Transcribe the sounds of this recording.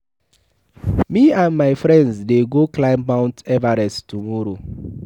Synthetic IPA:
miãnmaɪfɹɛ̃ndsdeɡoklãɪ̃mmãʊ̃ntɛvaɾɛstumɔɾo

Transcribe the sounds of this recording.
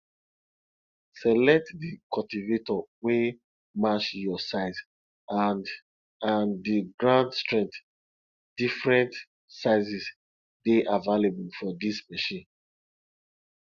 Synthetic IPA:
sɛlɛk̚tdikʰɔltivetɔwe | mat͡ʃjɔsaɪz | andiɡɹãndstɹɛ̃ŋt | d̥ifɹɛ̃nt | saɪzis | deʔavalebulfɔdismɛʃĩn

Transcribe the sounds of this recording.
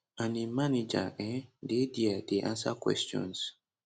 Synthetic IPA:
animanid͡ʒa̰ʔɛ̃dediadeʔã̰nsakwɛ̰stɔ̰̃ns

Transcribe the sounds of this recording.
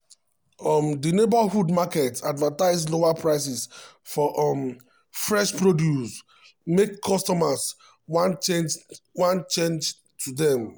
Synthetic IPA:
ɔmdinebahudmakɛtadvataɪzloapɹaɪs̬ɛs | fɔʔɔm | fɹɛʃpɹodjus | mekːʰɔstɔmas | wãnt͡ʃend͡ʒwãnt͡ʃẽnd͡ʒ | tʰudɛ̃m

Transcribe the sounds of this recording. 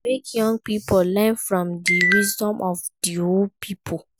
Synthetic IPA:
mekjɔ̃ŋɡ̚pipʰolɛnfɹɔ̃mdiwizdɔ̃mʔɔvdioldpʰipʰo

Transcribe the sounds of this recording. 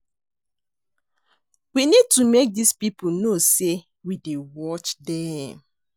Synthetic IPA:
winid̚tumek̚dispipunose | widewɔt͡ʃdɛ

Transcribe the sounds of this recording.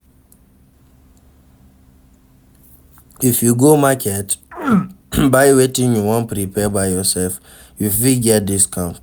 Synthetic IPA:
ifjuɡomakʰɛt | baɪwetĩnjuwɔ̃npɾipʰɛbaɪjɔsɛlf | jufiɡɛt̚diskʰãʊ̃nt

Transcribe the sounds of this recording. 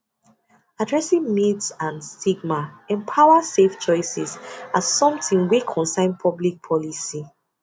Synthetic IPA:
adɹɛsĩŋmitsãnstiɡ̚maɛ̃mpʰaʊaseft͡ʃɔɪsɛsassɔ̃mtĩŋwikʰɔ̃nsãɪ̃npʰɔblik̚pʰɔlisi

